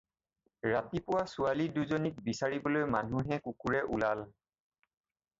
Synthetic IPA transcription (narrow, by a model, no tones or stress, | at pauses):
ɹatipʊwasʊaliduzɔnik̚bisaɹibɔlojmanuɦɛkukuɹɛʔulal